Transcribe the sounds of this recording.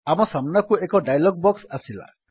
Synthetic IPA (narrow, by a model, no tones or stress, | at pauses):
amɔsamnakuekɔɖajlɔɡ̚bɔksasila̰